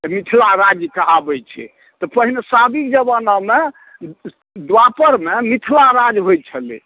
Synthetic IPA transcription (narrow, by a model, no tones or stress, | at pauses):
mit̪ʰlaɾad͡ʒikəɦabɛt͡ʃʰɛ̰ | t̪ɔpəɦinesabikd͡ʒəbəname | d̪wapəɾmemit̪ʰlaɾad͡ʒɦojt͡ʃʰəlḭ